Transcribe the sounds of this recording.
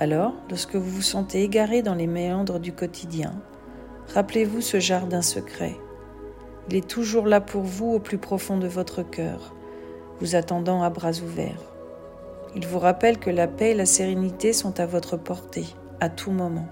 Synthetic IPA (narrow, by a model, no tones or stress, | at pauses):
alɔʁlɔʁskəvuvusɑ̃t̪eːɡaʁed̪ɑ̃lemeɑ̃d̪ʁəd̪ykɔt̪ʰid̪jɛ̰̃ | ʁaplevusəʒaʁd̪ɛ̃səkχɛ̰ | ilɛt̪ʰuʒuʁlapʰuʁvuoplypχɔfɔ̃d̪əvɔt̪χəkʲœ̰ːʁ | vuzat̪ɑ̃d̪ɑ̃abʁazuvɛ̰ʁ | ilvuʁapɛlkəlapɛelaseʁenit̪esɔ̃t̪avɔt̪χəpɔʁt̪e | at̪ʰumɔmɑ̃